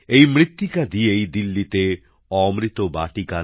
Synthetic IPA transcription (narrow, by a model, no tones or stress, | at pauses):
ejmɾit̪ːikad̪iejd̪ilːit̪e | ɔmɾit̪obaʈika